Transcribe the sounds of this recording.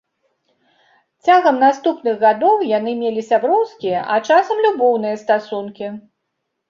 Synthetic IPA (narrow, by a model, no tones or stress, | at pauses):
t͡sʲaɣɐmnast̪upnɨɣɣad̪ɔwjanɨmʲelʲisʲabɾɔwskʲijɐʔat͡ʂasɐmlʲubɔwnɨjɐst̪asunkʲi